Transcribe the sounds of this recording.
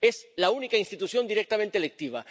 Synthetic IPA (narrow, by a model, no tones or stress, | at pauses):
eslaunikainst̪it̪uθjo̞nd̪iɾek̚t̪amẽnt̪elek̚t̪iβ̞a̰